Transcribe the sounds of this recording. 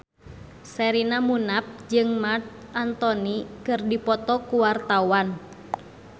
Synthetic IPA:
sɛɾinamunap̚d͡ʒɨŋmart̪̚ | ʔant̪ɔnikɨrdipɔt̪ɔkuwart̪awan

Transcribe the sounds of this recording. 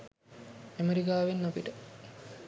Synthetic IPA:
emeɾikaːʋenːopiʈə

